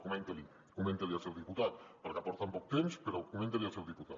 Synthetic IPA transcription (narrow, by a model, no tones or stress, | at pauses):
kumẽnt̪eli | kumẽnt̪eliasewðiput̪at̪̚paɾkapɔɾt̪ampɔk̚t̪emspeɾokumẽnt̪elialˠsewðiput̪a̰t